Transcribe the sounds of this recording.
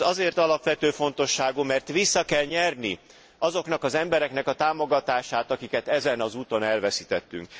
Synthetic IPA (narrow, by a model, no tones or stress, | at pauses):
ɒzeːrt̪ɒlɒpʋɛt̪øːfo̞n̪t̪o̞ʃːaːɡumɛrt̪ʋisːɒkɛlɲɛrni | ɒzo̞kn̪ɒkɒzɛmbɛɾɛknɛkɒt̪aːmo̞ɡɒt̪aːʃaːt̪ɒkikɛt̪ɛzɛnɒzuːt̪o̞nɛlvɛsit̪ɛt̪ːy̰ŋk